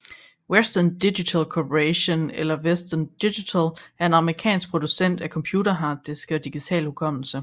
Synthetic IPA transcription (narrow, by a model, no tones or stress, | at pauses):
wesd̥ɐnd̥iɕit͡sʰælkʰopʰəʁeɕo̝nelɐwesd̥ɐnd̥iɕit͡sʰɛlʔæɐe̝nɑ̈məʁikʰɛ̰ːnsɡ̥̚pʰʁo̝d̥usen̰d̥ækʰɒ̽mpʰjuːɾɐɦɑ̈ːd̥isɡ̥ɒ̽d̥iɡ̥it͡sʰɛ̰ːlhukʰɒ̽m̰l̩sə